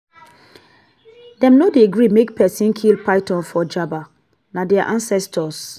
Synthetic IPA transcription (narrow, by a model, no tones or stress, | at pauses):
dɛ̃mnodeɡɹimek̚pʰɛsĩnkʰilpaɪtɔ̃nfɔd͡ʒaba | nadɛaʔãnsɛstʰɔs